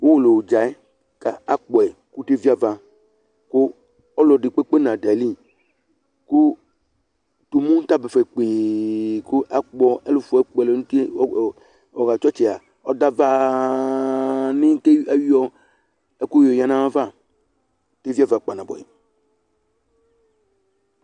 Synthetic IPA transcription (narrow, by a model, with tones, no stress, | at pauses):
wo˦wo˨lo˨wd͡ʒa˨ɛ˦ | ka˨a˦k͡pɔ˨ɛ˨ | ku˦te˦vi˦a˦va˨ | ko˦ | ɔ˦lɔ˨di˨k͡pe˦k͡pe˦nã˨da˨li˦ | ko˦ | t̪o˨mũ˦t̪a˦bɛ˨fɛ˨k͡pe˨ku˦ʔa˦k͡pɔ˨ɛ˦lu˨fɛ˦k͡pɛ˨le˨nu˦ti˦˨ | ɔ˨ɣa˨t͡ʃɔ˦t͡ʃɛ˨a˨ | ɔ˦da˦va˦ | nĩ˦te˦a˦wi˦ɔ˦ | ɛ˦ku˦jo˨ja˨nã˦wa˦va˦˨ | te˦vi˦a˦va˨k͡pa˨nã˨bɔ̰˨ɛ̰˨